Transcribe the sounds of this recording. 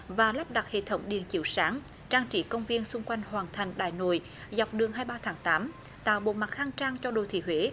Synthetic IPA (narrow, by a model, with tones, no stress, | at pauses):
vaː˨˩la˦˥p̚ɗa˨˩t̚hḛ˧˨t̪ʰə˨˦wŋ͡mɗḭ˨˩ənt͡ɕḭ˧˨wsaː˨˦ŋ | t͡ɕaː˧ŋt͡ɕi˧˩kə˧wŋ͡mvi˧ənsʊ˧ŋ͡mkwa˧jŋ̟hwaː˨˩nt̪ʰa˨˩ŋ̟ɗa̰ː˧˨jno̰˧˨j | za˨˩wk͡p̚ɗɨ˨˩əŋɦaː˧jɓaː˧t̪ʰaː˨˦ŋt̪aː˨˦m | t̪a̰ː˧˨wɓo̰˧˨ma˨˩t̚haː˧ŋt͡ɕaː˧ŋt͡ɕɔ˧ɗo̰˧˨˩t̪ʰḭ˧˩ɦwe˨˦